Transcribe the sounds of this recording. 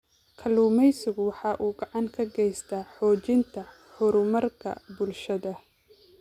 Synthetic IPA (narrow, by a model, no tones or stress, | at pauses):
kʰɐluːmɛjsɪɣʊwɑħɑːʔuːɡɑʕɑŋkʰɐɡɛjst̪ʰaːħɔːt͡ʃɪnt̪ʰɐ | ħʊɾʊmɐrkʰɐ̰bʊlʃɐðɐ